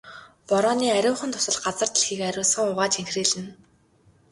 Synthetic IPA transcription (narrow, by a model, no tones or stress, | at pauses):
pɔɾɔːniːæɾʲʊːχə̆nt̪ʰʊ̥sə̆ɮɢat͡sə̆rt̪ĭɮxiːkæɾʲʊːɮsə̆ŋʊʁaːt͡ɕiŋxriːɮɘ̆n